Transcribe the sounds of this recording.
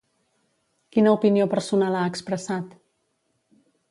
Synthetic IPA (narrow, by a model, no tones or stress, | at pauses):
kinəupiniopəɾsunalaəkspɾəsat̪